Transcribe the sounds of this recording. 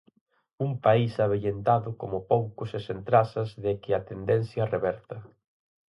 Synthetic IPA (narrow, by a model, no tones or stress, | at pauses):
uŋpaisaβeʎent̪aðʊkomʊpowkʊsesent̪ɾasɐzðɪkɪat̪end̪ɛn̟θjɐreβɛɾt̪ɐ